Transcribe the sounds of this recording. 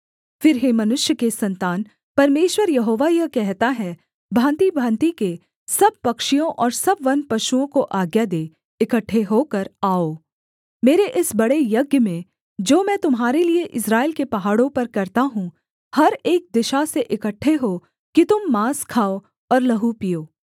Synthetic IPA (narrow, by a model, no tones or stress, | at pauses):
fɪɾɦemɐnʊʃjəkesɐ̃nt̪aːn | pɐɾmeːʃwəɾjɐɦoːʋajɐkɛɦt̪aɦɛ | bʱãːnt̪ibʱãːnt̪ike | sɐb̚pɐkʃijõʔɔːɾsɐbʋɐnpɐʃuõkoʔaːɡjad̪eː | ɪkəʈʰːeɦokɐɾaːoː | meːɾeʔɪsbɐɽejɐɡjəmẽ | d͡ʒoːmɛ̃ːt̪ʊmɦaːɾelieʔɪsɾaːɪlkepɐɦaːɽõpɐɾkɐɾt̪aɦũ | hɐɾeːk̚d̪ɪʃaseʔɪkəʈʰːeɦo | kit̪ʊmːaːskʰaːo | ɔːɾlɐɦupijoː